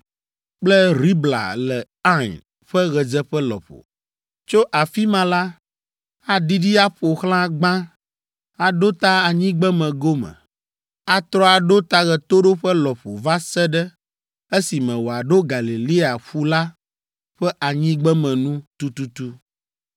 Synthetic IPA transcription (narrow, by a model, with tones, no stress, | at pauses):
k͡plɛ˦ɾi˦bla̰˨lɛ˨ | ã˦˨n | ɸɛ˦ɣɛ˨d͡zɛ˦ɸɛ˦lɔ̰˨ɸo̰˨ | t͡ʃo˦ʔa˨fi˦mã˦la˦ | a˦ɖi˦ɖi˦a˦ɸo˨xlã˦ɡ͡bã˦ | a˨ɖo˦t̪a˦a˨ɲĩ˦ɡ͡bɛ˦mɛ̃˨ɡo˦mɛ̰̃˨ | a˦t̪ɾɔ˦a˨ɖo˦t̪a˦ɣɛ˨t̪o˦ɖo˦ɸɛ˦lɔ˨ɸo˨va˦sɛ˦ɖɛ˦ | e˦si˨mɛ̃˨wo˨a˨ɖo˦ɡa˨li˨li˦a˨ɸu˦la˦ | ɸɛ˦ʔa˨ɲĩ˦ɡ͡bɛ˦mɛ̃˨nũ˦t̪u˦t̪u˦t̪u˦